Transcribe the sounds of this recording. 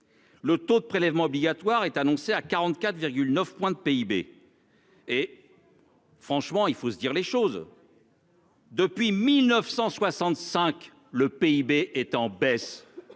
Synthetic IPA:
lət̪od̪əpχelɛvmɑ̃ɔbliɡʲat̪waʁɛt̪anɔ̃seakaʁɑ̃t̪kat̪χviʁɡʲylnəfpwɛ̃d̪əpeibḛ | e | fχɑ̃ʃmɑ̃ilfosəd̪iʁleʃoz | d̪əpɥimilnəfsɑ̃swasɑ̃t̪sɛ̃k | ləpeibeʔɛt̪ɑ̃bɛs

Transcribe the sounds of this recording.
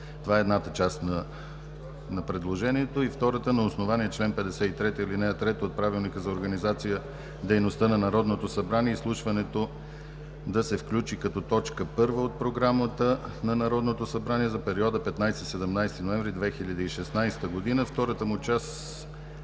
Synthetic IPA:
t̪ovaɛɛd̪nat̪ət͡ʃast̪nɐ | nɐpɾɛd̪lˠoʒɛniɛt̪oift̪ɔɾət̪ənɐosnovaniɛt͡ʃlɛnpɛd̪ɛsɛit̪ɾɛt̪əilinɛɐt̪ɾɛt̪əot̪̚pɾavilˠnikəzɐoɾɡənizat̪sijə | d̪ɛjnost̪ɤnɐnɐɾɔd̪not̪osɐbɾaniɛislˠuʃvɐnɛt̪o | d̪ɐsɛfklʲut͡ʃikɐt̪ɔt̪ɔt͡ʃkəpɤɾvəot̪̚pɾoɡɾamət̪ənɐnɐɾɔd̪not̪osɐbɾaniɛzɐpɛɾiɔd̪əpɛt̪najst̪isɛd̪ɛmnajst̪inoɛ̃ɱvɾid̪vɛxiʎʲəd̪əiʃɛsnajst̪əɡod̪inəft̪ɔɾət̪əmʊt͡ʃast̪

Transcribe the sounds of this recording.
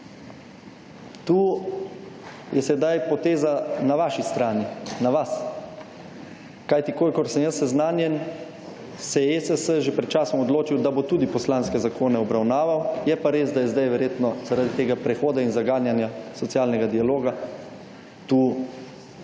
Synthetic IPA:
t̪uː | jɛsɛd̪ajpɔt̪eːzanaʋaːʃist̪ɾaːninaʋas | kajt̪ikoːlikɔɾsɛmjəsːɛznaːnjɛn | sɛjɛesəsəʒepɾɛt̪̚t͡ʃaːsɔmɔd̪loːt͡ʃiwd̪abot̪uːd̪ipɔslaːnskɛzakʰoːnɛɔbɾawnaːʋawjɛpaɾeːzd̪ajɛzd̪ajʋɛɾjeːt̪nɔz̥aɾad̪it̪eːɡapɾɛxoːd̪ainzaɡaːnjanjasɔtsjaːlnɛɡad̪ialoːɡa | t̪uː

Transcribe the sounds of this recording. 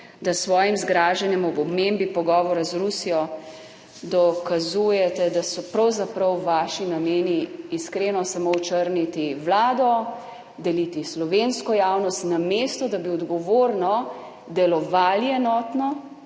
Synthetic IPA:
d̪asʋɔːjimzɡɾaːʒɛnjɛmɔbɔbmembipɔɡɔːʋɔɾazɾusijɔ | d̪ɔkazujɛt̪ɛd̪asɔpɾɐwzapɾɐwʋaːʃinameːniːskɾenɔsamoɔt͡ʃəɾnit̪iʋlaːd̪ɔ | d̪ɛlit̪islɔʋenskɔjawnɔst̪nameːst̪ɔd̪abiɔd̪ɡɔʋoɾnɔ | d̪ɛlɔʋaːliɛnɔːt̪nɔ

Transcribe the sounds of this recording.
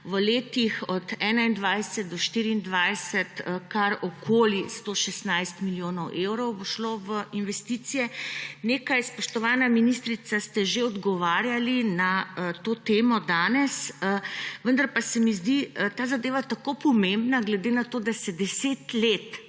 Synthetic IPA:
ʋəleːt̪ixɔt̪ɛːnaind̪ʋajsɛt̪̚d̪ɔʃt̪iːɾiːnd̪ʋajsɛt̪kaɾɔkʰoːlist̪oʃɛst̪najst̪miljoːnɔwʔewɾɔwboʃloʋəinʋɛst̪it̪sijɛneːkajspɔʃt̪ɔʋaːnaminist̪ɾit̪sast̪ɛʒeɔd̪ɡɔʋaːɾjalinat̪oːt̪eːmɔd̪aːnɛsəʋənd̪aɾpasɛmizd̪it̪aːzad̪eːʋat̪akopɔmẽmbnaɡlɛd̪eːnat̪oːd̪asɛd̪ɛseːt̪let̪

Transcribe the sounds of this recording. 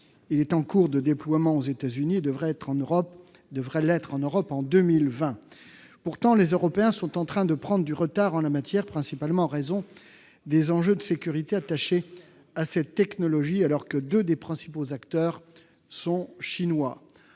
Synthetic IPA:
ilɛt̪ɑ̃kuʁd̪əd̪eplwamɑ̃ozet̪azynied̪əvʁɛt̪χɑ̃ʁɔp | d̪əvʁɛlɛt̪χɑ̃nøʁɔpɑ̃d̪ømilvɛ̃ | puʁt̪ɑ̃lezøʁɔpeɛ̃sɔ̃t̪ɑ̃t̪χɛ̃d̪əpχɑ̃d̪ʁəd̪yʁət̪aʁɑ̃lamat̪jɛʁpχɛ̃sipalmɑ̃ɑ̃ʁezɔ̃ | d̪ezɑ̃ʒød̪əsekʲyʁit̪eat̪aʃe | asɛt̪ːɛknɔlɔʒialɔʁkəd̪ød̪epχɛ̃si̥pozakt̪œʁ | sɔ̃ʃinwa

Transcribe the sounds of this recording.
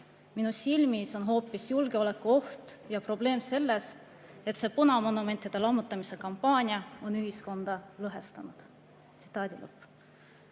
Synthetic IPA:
minusilmiso̞nɦo̞ːpːˑisjulɡ̥e̞o̞le̞kːuo̞ht̪jɑpro̞ble̞ːmse̞lːe̞s | e̞t̪se̞ːpunɑmonume̞nt̪ˑːid̪̥e̞lɑmːut̪ːˑɑmise̞kɑmpːˑɑːnʲiɑo̞nyɦisko̞nd̪̥ɑlɤɦe̞st̪ɑnud̪̥ | t̪si̥t̪ːˑɑːd̪̥ʲilɤ̰pːˑ

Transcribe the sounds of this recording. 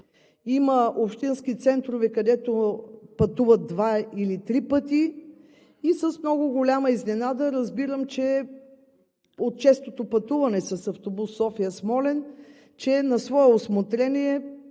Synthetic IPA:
iməʔopʃt̪inskit̪sɛnt̪ɾovɛkɐd̪ɛt̪opɐt̪uvət̪̚d̪vailit̪ɾipət̪i | isəsmnɔɡʊɡolʲaməiznɛnad̪əɾəzbiɾəmt͡ʃɛ | ot̪̚t͡ʃɛst̪ot̪opɐt̪uvɐnɛsɐsɐft̪obusːɔfijəsmɔlɛn | t͡ʃɛnɐsvɔɛosmot̪ɾɛnʲiɛ

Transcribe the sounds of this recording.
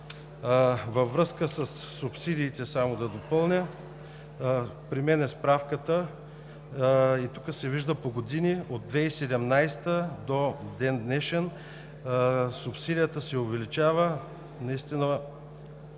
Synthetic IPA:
vɐvɾɤskəsəsːupsid̪ʲiːt̪ɛsamod̪ɐd̪opɤlˠnʲə | pɾimɛnɛspɾafkət̪ə | it̪ukəsɛviʒd̪əpoɡod̪inʲiod̪̚d̪vɛisɛd̪ɛmnajst̪əd̪od̪ɛnd̪nɛʃɛn | sʊpsid̪ʲijət̪əsɛovɛlit͡ʃavə | nɐist̪inə

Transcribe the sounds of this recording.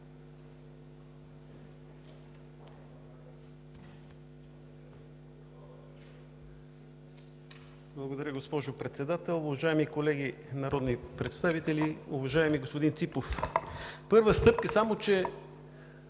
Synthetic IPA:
blˠɐɡod̪ɐɾʲəɡospɔʒopɾɛt̪sɛd̪at̪ɛlˠʊvɐʒaɛmikolɛɡinɐɾɔd̪nipɾɛt̪st̪avit̪ɛliʊvɐʒaɛmiɡospod̪int̪sipof | pɤɾvəst̪ɤp̚kəsamot͡ʃɛ

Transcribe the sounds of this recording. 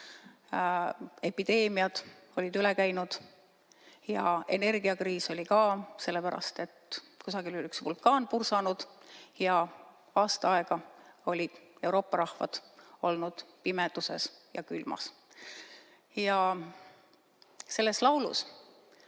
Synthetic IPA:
e̞pid̪̥e̞ːmiɑd̪̥o̞lʲid̪yle̞kæjnud̪̥ | jɑe̞̰ne̞rɡ̥iɑkriːso̞lʲikɑːse̞lːepæɾɑ̰st̪e̞t̪ː | kusɑɡ̥ilylyksvulkːɑːnpursɑnud̪̥jɑ | ɑːst̪ɑɑeɡ̥ɑo̞lʲid̪̥e̞wɾo̞ːpːˑɑɾɑhvɑ̰d̪̥o̞lnud̪̥pimed̪̥use̞sjɑkylmɑ̰s | jɑ | se̞lːe̞slɑwlṵs

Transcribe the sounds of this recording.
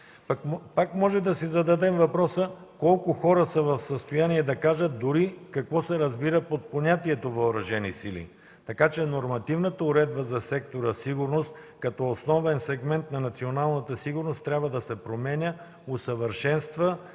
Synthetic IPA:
kpakmɔʒɛd̪ɐsizɐd̪ɐd̪ɛmvɐpɾɔsəkɔlˠkʊxɔɾəsɐvɐfsəst̪ojaniɛd̪ɐkaʒət̪̚d̪ʊɾikɐkvɔsɛɾɐzbiɾəpot̪̚ponʲat̪iɛt̪ovɐoɾɐʒɛnḭsilḭ | t̪ɐkat͡ʃɛnoɾmɐt̪ivnət̪əʊɾɛd̪̚bəzɐsɛk̚t̪oɾəsiɡʊɾnost̪ | kɐt̪ɔosnɔvɛnsɛɡmɛnt̪̚nɐnɐt̪sionalˠnɐt̪əsiɡʊɾnost̪ːɾʲabvəd̪ɐsɛpɾomɛnʲə | osəvəɾʃɛnst̪və

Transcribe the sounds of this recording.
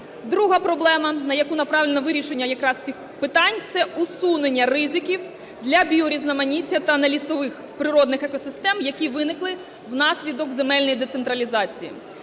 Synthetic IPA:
d̪ɾuɦɐpɾɔblˠɛmɐnɐjɐkunɐpɾɑʋʲlʲnɐʋɪɾʲiʃenʲːɐjɐkɾɑst͡sʲix | pɪt̪ɑnʲt̪sɛusunenʲːɐrɪzɪkʲiw | d̪lʲɐbʲiɔɾʲiznɐmɐnʲit͡sʲːɐt̪ɐnɐlʲisɔʋɪx | pɾɪɾɔd̪nɪxɛkɔsɪst̪ɛmjɐkʲiʋɪnɪklˠɪ | wnɑsʲlʲid̪ɔkzemɛlʲnɔjid̪et̪sent̪ɾɐlʲizɑt͡sʲijḭ

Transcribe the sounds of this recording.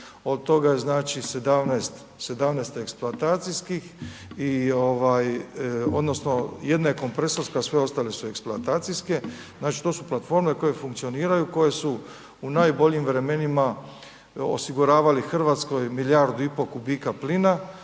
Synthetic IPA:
o̞d̪̚t̪o̞ɡaeznaːt͡ʃised̪amnest̪ | se̞d̪amnest̪e̞kspluat̪aːt̪sijskixio̞ʋajo̞̰d̪no̞sno̞je̞d̪naeko̞mpɾe̞soɾskasʋe̞o̞st̪aːle̞sue̞kspluat̪aːt̪sijske̞ | znaːt͡ʃi̥t̪o̞ːsuplˠat̪fo̞ɾme̞ko̞je̞fuŋkt̪sio̞niːɾajuko̞je̞su | unaːjbo̞ʎimʋɾe̞me̞nima | o̰siɡuɾaːʋalixr̩ʋat̪sko̞jmiljaɾd̪uipo̞kubiːkaplina

